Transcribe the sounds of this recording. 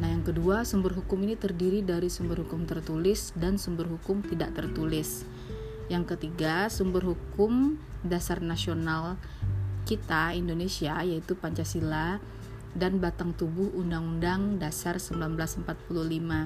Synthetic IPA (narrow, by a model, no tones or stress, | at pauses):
nahjaŋkəduasumbərɦukʊminit̪ərdiɾidaɾisumbərhukʊmt̪ərt̪ulɪsdansumbərɦukʊmt̪idaʔt̪ərt̪ulɪs | jaŋkət̪iɡasumbərɦukʊmdasarnasional | kit̪aindonesiajait̪upaɲt͡ʃasila | danbat̪aŋt̪ubʊhundaŋundaŋdasarsəmbəlanbəlasəmpat̪̚pululima